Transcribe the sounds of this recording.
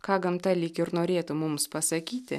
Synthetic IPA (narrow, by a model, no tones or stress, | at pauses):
kɑːɡɐmt̪ɑlʲiːkʲɪɾnoːɾʲeːt̪ʊmʊmspɐsɐkʲiːt̪ʲɪ̰